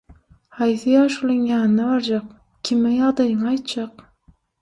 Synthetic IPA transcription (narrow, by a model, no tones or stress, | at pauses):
hɑjθɪjɑːʃulˠɪŋjɑːnɪnabɑɾd͡ʒɑq̚ | kʲʰɪmɪjɑʁd̪ɑjɪŋɑjt̪d͡ʒɑq